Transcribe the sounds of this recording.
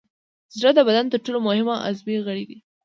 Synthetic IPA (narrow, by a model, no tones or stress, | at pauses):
zɽəd̪əbad̪ant̪əɾʈolomʊhɪmaʔa̰zbeɣəɽeɡi